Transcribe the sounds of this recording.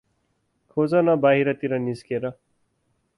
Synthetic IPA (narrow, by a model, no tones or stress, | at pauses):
kʰod͡zʌnʌbaɦiɾʌt̪iɾʌniskeɾʌ